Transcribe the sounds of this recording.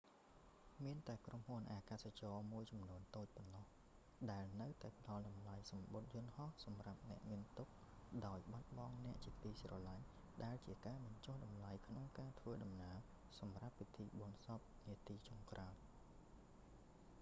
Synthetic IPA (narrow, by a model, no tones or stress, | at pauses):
miənt̪aɛkrumhuənʔaːkaːsat͡ɕɑːmuəjt͡ɕɑmnuənt̪oːc̚ponːɑh | ɗaɛlnəwt̪aɛpə̆ɗɑlɗɑmlajsɑmɓot̪̚jʊ̆ənhɑhsɑmrap̚nɛ̆əʔmiənt̪uk̚ɗaɔjɓat̪̚ɓɑŋnɛ̆əʔt͡ɕiəkʰt̪iːsrɑlaɲ | ɗaɛlt͡ɕiəkaːɓɑɲt͡ɕohɗɑmlajkʰnoŋkaːt̪ʰʋəːɗɑmnaəw | sɑmrapːit̪ʰiːɓoənsɑp̚niət̪iːt͡ɕoŋkraɔt̪̚